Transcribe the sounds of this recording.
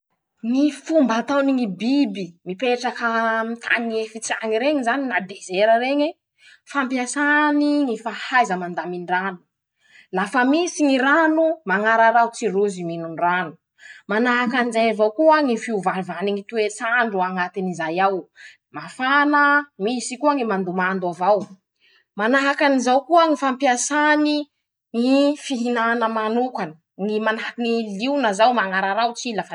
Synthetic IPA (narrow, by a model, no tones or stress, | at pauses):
ŋifumbat̪awniŋibibimipeʈ͡ʂakəmit̪ʰa̰niefit͡saŋiɾeŋizaninad̪ezeɾəɾeɲe | fampjasaniŋifahajzəmand̪aminɖ͡ʐanu̥ | lafəmisiŋiɾanumaŋaɾaɾawt͡siruziminunranu̥ | manaɦakanizajavawkuaŋifiuvalvaniŋit̪uet͡saɳɖ͡ʐuaŋat̪inizajaw | mafanəmisikuaŋimand̪umand̪avaw | manaɦakanizawkuəŋifampiasani | ŋifiɦinanəmanukanə | ŋimanaiŋiliunəzawmaŋaɾaɾawt͡silafə